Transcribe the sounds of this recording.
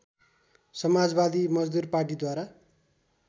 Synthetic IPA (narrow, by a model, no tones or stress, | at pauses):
sʌmad͡zbad̪imʌd͡zd̪urparʈ̬id̪waɾa